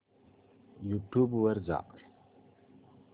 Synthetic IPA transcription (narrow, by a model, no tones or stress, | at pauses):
jutubwəɾza̰ʔ